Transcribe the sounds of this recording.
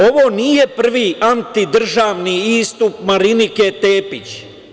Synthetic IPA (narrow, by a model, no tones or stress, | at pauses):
o̞ʋo̞ːnije̞pr̩ʋiːant̪id̪r̩ʒaːʋniiːst̪upmaɾinike̞t̪eːpit͡ɕ